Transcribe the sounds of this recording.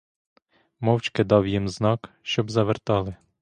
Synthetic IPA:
mɔwt͡ʃkɪd̪ɑwjimznɑk | ʃt͡ʃɔbzɐʋert̪ɑlˠɪ

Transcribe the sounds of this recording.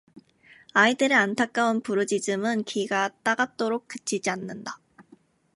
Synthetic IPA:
aidɯɾeantʰak̚k͈aunpuɾɯd͡ʑid͡ʑɯmɯnkʰiɡat͈aɡat̚t͈oɾok̚k͈ɯt͡ɕʰid͡ʑianːɯnda

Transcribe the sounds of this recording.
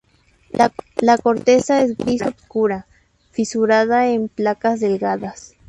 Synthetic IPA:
lakoɾt̪esaes̬ɡisopskuɾa | fisuɾaðaemplakazðelɡaðas

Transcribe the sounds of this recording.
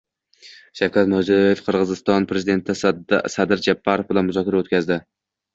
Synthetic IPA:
ʃawkʲʰat̪mʊd͡ʒɒjefqʰɨɾʁɨzɨst̪ɒnpʰɾezɪd̪e̞nt̪ʰɪsad̪ɪɾd͡ʒapʰːaɾofbɪlanmʊzɒkʲʰaɾaot̪kʲʰazd̪ɪ

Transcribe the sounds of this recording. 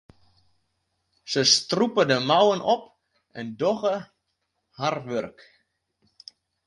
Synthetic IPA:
səstrupədəmawənʔɔp | ɛndɔɣə | harʋørk

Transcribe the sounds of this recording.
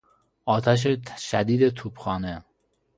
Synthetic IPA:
ɒːt̪ʰæʃ̬eʃæd̪iːd̪et̪ʰuːbxɒːne

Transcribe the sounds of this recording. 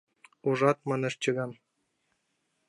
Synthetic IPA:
uʐɑt̪̚mɑ̆nɘ̆ʃt͡ɕɤ̆ɣɑn

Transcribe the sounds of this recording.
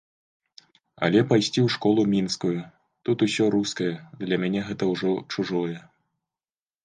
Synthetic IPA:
ɐ̰lʲɛpajsʲt͡sʲiwʂkɔlˠumʲinskuju | t̪ut̪usʲɔɾuskɐjɛd̪lʲɐmʲanʲɛɣɛt̪ɐwʐɔt͡ʂuʐɔjɛ

